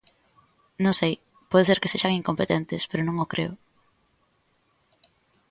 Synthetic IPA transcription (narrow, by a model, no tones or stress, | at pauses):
nõŋsej | pɔðeseɾke̥seʃaŋiŋkompet̪ent̪ɪspeɾonõŋokɾʔḛʊ